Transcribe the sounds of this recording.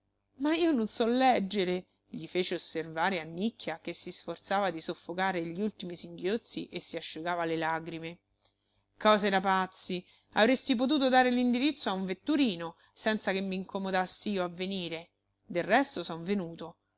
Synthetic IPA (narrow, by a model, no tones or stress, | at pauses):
maiːononsɔlːɛd͡ʒːeɾe | ʎifeːt͡ʃeoservaːɾeanːikːjakesːisfort̪saːvad̪isofːokaːɾeʎːiult̪imisiŋɡjot̪sːiʔesːiaʃːuɡaːvalelaːɡɾime | kɔːzeɾapat̪sːi | a̰vɾest̪ip̬ot̪̬uːt̪̬od̪aːɾelind̪iɾit̪sːoauɱvet̪ːuɾiːno | sɛnt̪sakemːiːŋkomod̪asːiiːoavːeniːɾe | d̪errɛst̪osɔɱvenuːt̪o